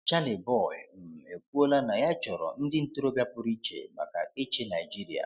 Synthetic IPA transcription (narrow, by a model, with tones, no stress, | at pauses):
t͡ʃa˦nɪ˨bɔ˦˨ɪ̰˨m̩˨e˨k̚ʷu˦o˦la˦na˨ja˦t͡ʃɔ˨ɾɔ̰˨n̩˦dɪ˦n̩˦tu˦ɾo˦bja˦pʊ˦ɾi˦t͡ʃḛ˨ma̰˨ka̰˨e˦t͡ʃe˦na˨jd͡ʒi˦ɾi˨a̰˨